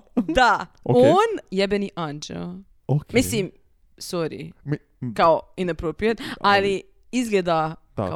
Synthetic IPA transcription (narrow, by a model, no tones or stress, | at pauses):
d̪a | oonjɛbɛniʔand͡ʒɛ̰l | okmislĩm | sɔɾḭ | kaoinɐpɾopɾiɛt̪ali | izɡled̪a | ka